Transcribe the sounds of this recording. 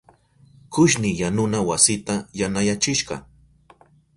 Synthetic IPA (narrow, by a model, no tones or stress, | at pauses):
kʊʃnɪjanʊnawasɪt̪ajanajat͡ʃɪʃɢɑ̰